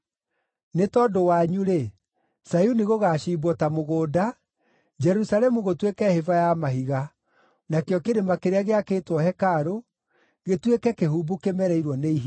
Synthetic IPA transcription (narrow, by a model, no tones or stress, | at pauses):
netɔdowaɲuɾe | sajuniɣoɣaːʃiːbɔtamoɣoːda | d͡ʒɛɾusaɾɛmuɣotwekɛhevajamaɦiɣa | nakjɔkeɾemakeɾeaɣeakeːtwɔhɛkaɾo | ɣetwekɛkeɦubukemɛɾɛiɾwɔneiɦi